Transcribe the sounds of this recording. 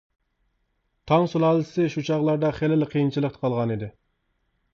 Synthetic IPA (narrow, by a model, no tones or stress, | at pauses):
t̪ʰɑŋsulˠɑːlˠsɪʃut͡ʃʰɑʁlˠɑɾd̪ɑχelɪlqʰijint͡ʃʰilˠəqt̪ə̥qʰɑlˠʁɑnid̪ɪ